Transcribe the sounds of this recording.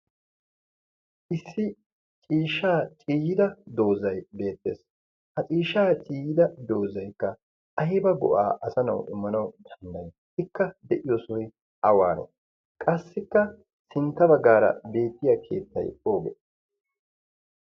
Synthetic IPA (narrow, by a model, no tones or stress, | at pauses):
ʔɪsːɪ | t͡ʃʼiːʃːaːt͡ʃʼiːjɪd̪ɐd̪o̞ːzɐjbe̞ːt̪ːe̞̰ːs | hɐt͡ʃʼiːʃːaːt͡ʃʼiːjɪd̪ɐd̪o̞ːzɐjkːɐ | ʔɐɦɪbɐɡɔ̰ʔa̰ːʔɐsɐnɐ̰wʔɪmːɐnɐwd̪ɐnd̪ɐj | ɪkːɐd̪ɛʔɪjoːsʊj | ʔɐwaːɾɔ̰ | kʼɐsːɪkːɐ | sɪnt̪ːɐbɐɡːaːɾɐ̰be̞ːt̪ːɪjɐkʰe̞̰ːt̪ːɐ̰jo̞ːɡɛ̰